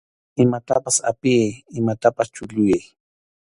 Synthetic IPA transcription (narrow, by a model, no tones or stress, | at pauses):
ɪmat̪apasa̰pɪajɪmat̪apast͡ʃʊʎʊjaj